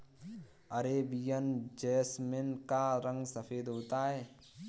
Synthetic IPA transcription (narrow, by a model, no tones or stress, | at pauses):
əɾebijənd͡ʒeːsmenkaɾə̃ŋɡsəpʰeːd̪ɦoːt̪aɦɛː